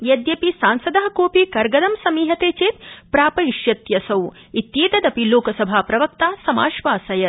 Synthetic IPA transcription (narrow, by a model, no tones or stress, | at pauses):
jɐd̪jɐpisaːnsɐd̪ɐɦɐ̆koːpikɐɾɡɐd̪ɐmsɐmiːɦɐt̪eːt͡ʃeːt̪pɾaːpɐiʃjɐt̪jɐsɐw | it̪jeːt̪ɐd̪ɐpiloːkɐsɐbʱaːpɾɐʋɐk̚t̪aːsɐmaːʃʋaːsɐjɐ